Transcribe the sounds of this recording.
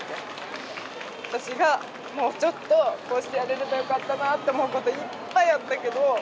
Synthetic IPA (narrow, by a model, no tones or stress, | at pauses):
e | βat̪aɕiɡa | mo̞ːt͡ɕo̞t̪ːo̞ko̞ːɕi̥t̪e̞jaɾe̞ɾebajo̞kat̪ːanat̪ːe̞omo̞ɯ̟ko̞t̪o̞ipːaiat̪ːake̞d̪o̞